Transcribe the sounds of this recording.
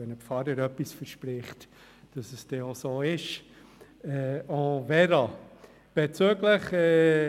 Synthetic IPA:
ɛnəpfɑɾəɾœpːisfəɾʃpɾɪχt | d̥ɑsəsd̥ɛosoːɪʃ | ɛɔ̃vɛɾɑ | b̥ɛt͡søːɡləχɛ

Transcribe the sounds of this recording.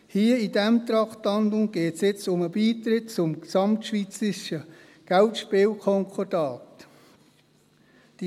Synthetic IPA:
hiːəidæmt̪ɾɑχtlɑndʊŋɡ̥eːtsjɪt͡sʊməbiːtɾɪtt͡sʊmksɑmtʃʋiːt͡sɾɪʃə | ɡ̥æltʃpɪːlkʰɔŋkʰɔdɑːt | d̥i

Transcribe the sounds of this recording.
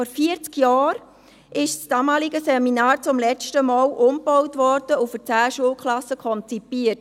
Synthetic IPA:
ɔɾfiəɾt͡skjɑːɾ | ʔɪʃsd̥ɑːmɑːlɪɡəsɛminɑːɾt͡sʊmlɛt͡stəmɑːlʔʊmb̥ɔwtvɔɾd̥əufət͡sæːʃuəlkʰlɑsəkʰɔnt͡sipiːət

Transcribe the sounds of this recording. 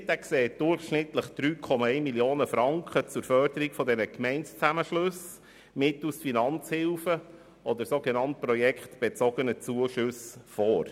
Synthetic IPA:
t̪ækseːt̚d̥ʊrχʃnɪt̪ləχd̪̥ɾyːkʰɔmɑɛɪmiljoːnəfɾɑŋkχət͡sʊɾfœɾd̥̪əɾikfɔd̪ɛnəkmɛɪnst͡sæməʃlɵs | mɪt̪usfinɑnt͡shɪlfə | ʔɔd̪əɾsoːɡenɑnt̚pɾɔjɛkχt̪b̥et͡sɔɡ̥ənət͡suəʃɵsfɔːɾ

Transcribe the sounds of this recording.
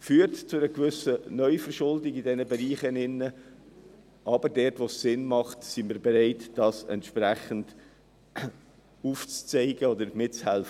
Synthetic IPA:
fyːəɾtt͡sʊɾəkvʏsənœʏfəɾʃʊldɪɡidɛnəbɛɾiːχənɪnːə | ʔɑbəɾdɛɾtʋosːɪnmɑχtsimiːɾbɛɾeɪtd̥ɑːsɛ̰ntʃpɾæχənd | uːft͡st͡seɪɡəɔd̪əɾmɪt̚t͡shɛlfə

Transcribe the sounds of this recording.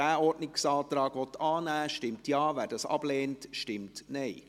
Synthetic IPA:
dæːɔɾdnɪksɑːt̪ɾɑːɡ̥ʋɔt̪ɑːnæːʃtɪmtjɑːʋæːɾdɑsɑ̰b̥leːntʃtɪmtnɛɪ

